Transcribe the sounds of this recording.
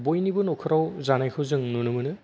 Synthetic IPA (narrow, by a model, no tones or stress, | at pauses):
bojnibɯnɔkʰɯɾawzanajkʰɯzɯŋnunɯmɯnɯ